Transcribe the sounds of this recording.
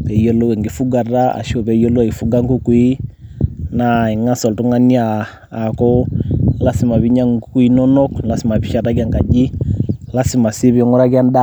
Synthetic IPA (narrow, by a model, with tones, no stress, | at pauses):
pɛ˨ijɔ˦lu˦wɛ˨ŋɡi˨fu˦ɡa˨ɾa˦a̰˨ʃɔ˨βɛ˨i˦ɔ˦lu˦a˨i˨fu˦ɡa˦ŋku˦ku˦i˦ | na˨i˨ŋa˦sɔ˨ltu˦ŋa˦ni˦aː˨ | kɔ˦la˦si˨ma˨βi˦ɲa˦ŋ˨ku˦ku˦i˦nɔ˦nɔ˦kla˨si˨ma˨βi˨ʃa˦˨ta˦ɡa˨ŋka˨d͡ʒi˦la˦si˨ma˨si˦βi˨ɔ˦ŋɔ˦ɾa˦ɡa˦nda˦